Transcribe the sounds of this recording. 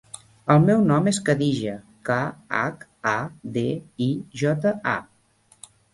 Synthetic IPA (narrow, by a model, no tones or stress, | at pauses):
əlˠmɛwnɔmeskəðiʒə | kaa̰kad̪eiʒɔt̪əa̰